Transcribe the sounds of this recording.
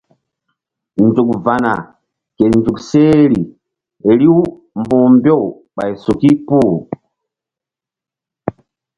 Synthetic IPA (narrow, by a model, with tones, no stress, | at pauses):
nd͡ʒu˨kva˨na̰˨ | kɛ˨i˨nd͡ʒu˨ksɛ˦li˨ | ɛ˨li˦u˦ | mbu˨mbjɔ˦˨ | ɓa̰˨i˨su˨ki˦pu˦˨